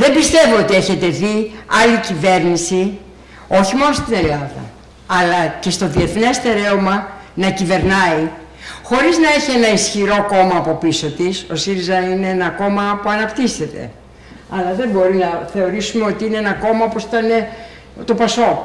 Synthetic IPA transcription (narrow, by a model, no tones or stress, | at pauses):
ðe̞mbist̪e̞voot̪ie̞çe̞t̪e̞ðiɐlicive̞ɾnisi | o̞çimo̞nost̪ine̞lɐðɐ̰ | ɐlɐce̞st̪o̞ðie̞θne̞st̪e̞ɾe̞omɐnɐcive̞ɾnɐi | xo̞ɾiznɐe̞çie̞nɐisçiɾo̞ko̞mɐːpo̞piso̞t̪iso̞siɾizɐine̞enɐko̞mɐpuɐnɐpt̪ise̞t̪e̞̰ | ɐlɐðe̞mbo̞ɾinɐθe̞o̞ɾisume̞o̞t̪iine̞enɐko̞mɐopo̞si̥t̪ɐne̞ | t̪o̞pɐso̞